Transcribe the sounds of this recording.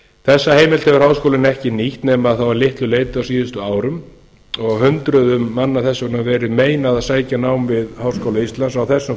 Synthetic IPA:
θɛsːaheːjmɛlt̪hɛvʏɾ̥hawskowlɪnɛhcɪniht̪nɛːmaðθawvaɾlɪht̪lʏleːjt̪ʏawsiːðʏst̪ʏaːwɾʏm | ɔɣhʏnt̪ɾʏðʏmːanːaθɛsːʏnavɛːɾɪðmeːjnaðaðsaːjcanaːwmvɪðhawrskowlaist̪lansawθɛsːʏm

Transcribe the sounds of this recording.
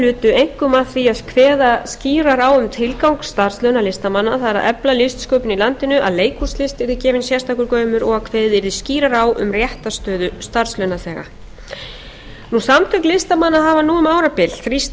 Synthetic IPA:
lʏːt̪ʏejŋ̥kʏmaθiaðkʰvɛːðasciːɾaɾaːwʏmt̪ʰɪlkawŋkst̪aɾ̥slœɥnalɪst̪amanːaθaðɛɾa̰ðɛplalɪst̪skœɥpʏnilant̪ɪnʏʔa̰ðleːjkʰuslɪst̪ɪɾðɪcɛːvɪnsjɛst̪akʏɾkœːɥmʏɾɔɣaðkʰveːðɪɾðɪsciːɾaɾawʔʏ̰mrjɛht̪ast̪œːðʏst̪aɾ̥slœɥnaθɛːɣa̰ | nusamt̪ʰʏklɪst̪amanːaɦaːvanuːʏmaːwɾapɪl̥ɾis

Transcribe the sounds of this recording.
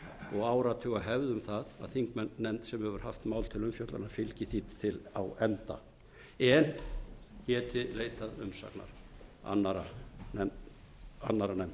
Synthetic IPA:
ɔɣaːwɾat̪ʰʏɣaɦɛvðʏmθaða̰ðθiŋkmɛnːɛmt̪sɛmhɛvʏɾ̥haft̪maːwlt̪ʰɪlʏmfjowt̪la̰nafɪlcɪθiːt̪ʰːɪla̰wɛnt̪a̰ | ɛncɛːt̪ɪleːjt̪aðʏmsa̰kna̰ɾ̥a̰nːaɾaɛ | a̰nːaɾanɛmt̪

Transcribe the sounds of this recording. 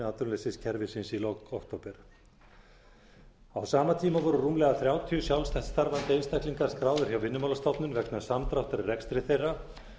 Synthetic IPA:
at̪ʏɾmlesɪscʰɛɾvɪsɪnsilɔkɔkt̪owpɛɾ̥ | awsaːmat̪ʰiːmavɔːɾʏruːmlɛɣaθɾjawt̪ʰiʏsjawlst̪ɛht̪st̪aɾvant̪ɪenst̪ajhkliŋkaɾ̥skɾaːwðʏɾ̥çjawvɪnːʏmawlast̪ɔt̪nʏnvɛknḁsamt̪ɾawht̪aɾɪrɛkst̪ɾɪθejrːa

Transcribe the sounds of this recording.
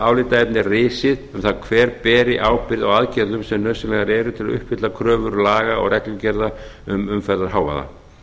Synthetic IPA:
aːwlɪːt̪aɛpnɪrɪːsɪðʏmθaðkʰvɛːɾpɛːɾɪʔaːwpɪɾðaɣaðcɛɾðʏmsɛmnœsɪlɛɣaɾɛːɾʏt̪ʰɪlaðʏ̰hphɪt̪lakʰɾœːvʏɾlaːɣaɔ̰ɣrɛklʏcɛɾðaʏmʏmfɛɾðaɾ̥haːwva̰ða̰

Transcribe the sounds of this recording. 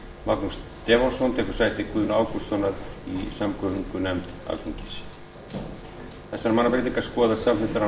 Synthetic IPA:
maknust̪ɛːɣɔlsɔnt̪ʰɛːkʏɾ̥saːjt̪ɪkʰuːðʏnaːwku̥sɔwnaɾḭsamkœviŋkʏnɛmt̪a̰lt̪iɲcɪ̥s | θɛsːaɾmanːapɾet̪iŋkḁskɔːðasamhɪt̪aɾa

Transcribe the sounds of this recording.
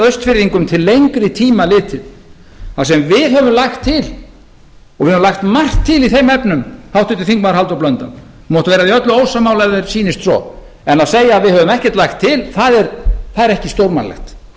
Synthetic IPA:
œɥst̪fɪɾðiŋkʏmt̪ʰɪlːejŋkɾɪt̪ʰiːmalɪːt̪ɪ | θasɛmvɪðhœvʏmlajxt̪ʰːɪl | ɔɣɪðhœmlajxt̪mar̥t̪ʰːɪliθejmɛpnʏmhawht̪ʏt̪ɪθiŋkmaɾɦalt̪awplœnt̪am | mɔːt̪ʏvɛːɾaðiœt̪lʏoːwsamaːwlɛðɪɾsiːnɪst̪sɔ̰ | ɛnaðseːjaːðvɪðhœːvʏmɛhcɛ̥t̪lajxt̪ʰːɪlθaðɛɾθaðɛɾɛhcɪst̪owɾmanlɛ̰xt̪

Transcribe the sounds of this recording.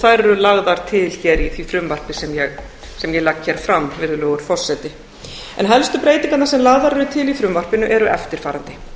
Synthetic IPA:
θajɾɛɾʏlaɣðaɾ̥t̪ʰɪlçɛɾiθvifɾʏmvar̥pɪsɛmjɛɣ | sɛmjɛɣlakçɛɾfɾamvɪðʏlœːɣʏɾ̥fɔr̥sɛt̪ɪ | ɛ̰nɦɛlst̪ʏpɾejt̪iŋkat̪naɾsɛmlaɣðaɾɛɾʏt̪ʰɪlifɾʏmvar̥pɪnʏʔɛɾʏʔɛft̪ɪɾ̥faːɾant̪ɪ̥

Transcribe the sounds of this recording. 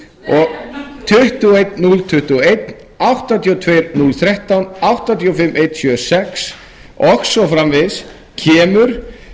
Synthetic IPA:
ɔɣt̪ʰʏht̪uejt̪nult̪ʰʏht̪uejt̪n | awht̪at̪ʰiːɔt̪ʰveːjɾnulθɾɛht̪awnawht̪at̪ʰiɔfɪmːʔejt̪sjœːsɛks | ɔxsɔfɾamvɪðs | cʰɛːmʏɾ̥

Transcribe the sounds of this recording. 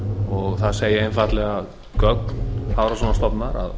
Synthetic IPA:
ɔɣθaðseːjɪejnfat̪lɛɣað | kœknhawɾasɔːnast̪ɔpnaɾa̰ð

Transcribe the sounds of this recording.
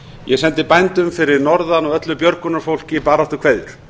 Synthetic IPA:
jɛsɛnt̪ɪpajnt̪ʏmfɪɾɪɾnɔɾðanɔœt̪lʏpjœɾkʏnaɾ̥fowl̥cɪpaːɾaaht̪ʏɾkʰveːjðʏɾ̥

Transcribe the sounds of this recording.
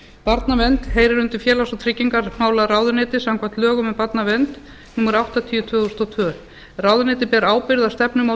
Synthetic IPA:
paɾt̪navɛnt̪hejɾɪɾʏnt̪ɪɾ̥fjɛːlasɔt̪ʰɾɪcːiŋkaɾmaːwlaraːwðʏɾnɪːt̪ɪsamkʰvant̪lœːɣʏmɛpat̪navɛnt̪ | nuːmːaɾawht̪at̪ʰiʏt̪ʰvœːθust̪awt̪ʰvœː | raːwðʏnɪːt̪̬ɪpɛːɾaːwpɪɾðast̪ɛpnʏma

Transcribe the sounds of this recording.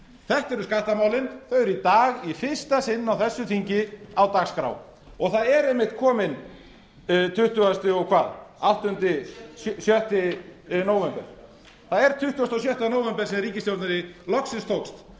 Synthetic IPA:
θɛht̪ɛɾʏskaht̪amaːwlɪnθœɥɛɾit̪aːɣifɪr̥st̪asɪnːawθɛsːʏθiɲcɪawt̪aɣskɾa̰w | ɔɣθaðɛɾɛhmːɪht̪kʰɔːmɪn | t̪ʰʏht̪ʏast̪ʏɔɣkʰvaːðawht̪ʏnt̪ɪsjœht̪ɪnoːwvɛmpɛɾ̥ | θaðɛɾ̥t̪ʰʏht̪ʏast̪ɔsjœht̪anoːwvɛmpɛɾsɛmɾiːcɪst̪jowɾt̪naɾɪlɔksɪnst̪ʰowkst̪

